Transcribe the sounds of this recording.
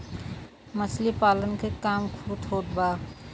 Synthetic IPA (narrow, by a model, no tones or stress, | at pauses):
mət͡ʃʰlipaːlənkekaːmkʰut̪ɦoːt̪baː